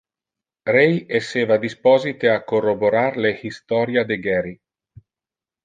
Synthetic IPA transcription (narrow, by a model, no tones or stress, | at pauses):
ɾejesːeːvad̪ispɔzit̪eakːoroboɾaɾlehist̪ɔɾjad̪eɡɛɾi